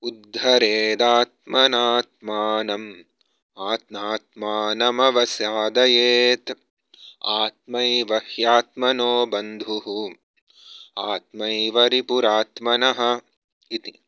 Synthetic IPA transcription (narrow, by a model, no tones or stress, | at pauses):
ud̪ʱːɐɾeːd̪aːt̪̚mɐnaːt̪̚maːnɐm | aːt̪naːt̪̚maːnɐmɐʋɐsjaːd̪ɐjeːt̪ | aːt̪̚mɐjʋɐhjaːt̪mɐnoːbɐnd̪ʱuɦu | aːt̪mɐjʋɐɾipuɾaːt̪mɐnɐɦɐ̆ | it̪i